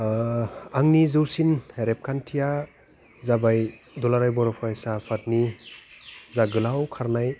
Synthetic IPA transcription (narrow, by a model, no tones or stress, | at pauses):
aŋnizɯwsineɾep̚kʰantʰija | zabaj | dɔlaɾajbɔɾɔpʰɔajsapʰat̚ni | zaɡɯlawkʰaɾnaj